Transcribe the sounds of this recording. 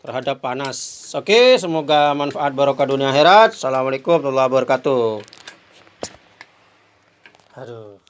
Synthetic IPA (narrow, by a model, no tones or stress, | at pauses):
t̪ərɦadapːanasokes̬əmoɡamanfaʔːt̪̚baɾokaduniaːɦeɾat̪̚salamalekumt̪ulːabərkat̪u